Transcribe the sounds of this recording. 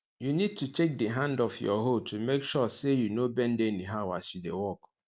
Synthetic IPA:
junid̚tut͡ʃek̚diɦãndɔfjɔ̰ɦotumekʃɔsejunobɛn̩deniɦawasidewɔk

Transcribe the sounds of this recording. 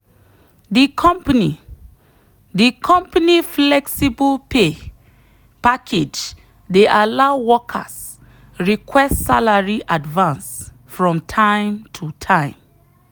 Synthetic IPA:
dikʰɔ̃mpni | dikʰɔ̃mpaniflɛksibəlpe | pakʰed͡ʒ | deʔalaʊwɔkʰa̰s | ɹikʰwɛstsalaɹiʔadvãns | fɹɔ̃mtʰãɪ̃mtʰutʰãɪ̃m

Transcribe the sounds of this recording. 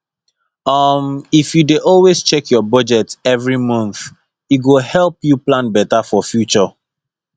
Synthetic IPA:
ʌmifjudeʔɔlwest͡ʃɛkʰjɔbɔd͡ʒɛtɛvɹimʌ̃nθ | iɡohɛlpjuplãnbɛtafɔfjut͡ʃɔ

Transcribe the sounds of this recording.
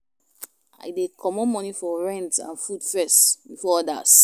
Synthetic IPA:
a̰ɪdekʰɔmɔ̃nmɔ̃nifɔɹɛ̃ntã̰nfudfɛstbifɔɔda̰s

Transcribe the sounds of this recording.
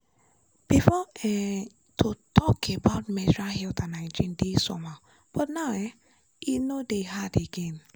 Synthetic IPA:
b̥ifɔɛ | tʰotʰɔkʰebaʊt̚mɛd͡ʒɹahɛltãnãɪ̃d͡ʒĩndisɔ̰ma | b̥ɔtnaʊɛ | inodeɦadeɡẽn

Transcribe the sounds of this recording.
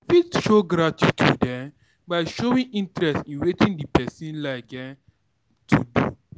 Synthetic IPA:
fitʃoɡɾatʰitʰṵdɛ̃m | baɪʃowĩŋʔĩntɹɛstĩnwetĩndipɛsĩnlaɪkɛ̃ | tʰudu

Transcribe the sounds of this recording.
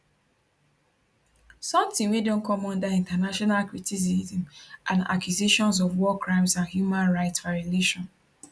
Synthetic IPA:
sɔ̃mtĩŋwedõnkʰɔmɔ̃ndaĩntanaʃɔnalkɹitisizĩmʔãna̰kjiziʃɔ̃ns̬ɔvwɔkɹãɪ̃msãnhjumãnɹaɪtsvaɹjɔleʃɔ̃n

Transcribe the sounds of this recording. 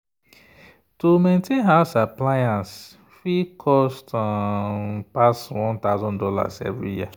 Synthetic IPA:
tomẽntʰẽnɦaʊsaplajãns | fikʰɔst | paswɔ̃nt̪aʊzɔ̃ndɔla̰sɛ̰vɹḭjḭa

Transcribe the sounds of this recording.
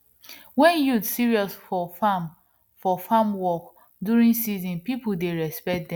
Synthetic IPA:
wɛ̃njutsiɹiɔsfɔfam | fɔfamwɔk | duɹĩŋsizĩnpipudeɹɛspɛk̚dɛ̃

